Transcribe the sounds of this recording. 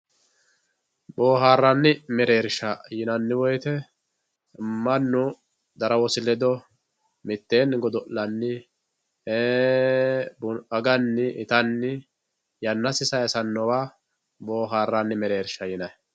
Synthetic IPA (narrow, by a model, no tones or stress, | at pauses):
boːɦaːrːanːɪmɛɾe̞ːɾʃɐjɪnɐnːɪwɔjt̪ɛ | mɐnːʊ | d̪ɐɾɐwɔsɪlɛd̪ɔ | mɪt̪ːeːnɡɔd̪ɔllɐnːɪ | e | bʊɐɡɐnːɪʔɪt̪ɐnːɪ | jɐnːɐsɪsɐjsɐnːɔwaː | boːɦaːrːanːɪmɛɾe̞ːɾʃɐjɪnɐj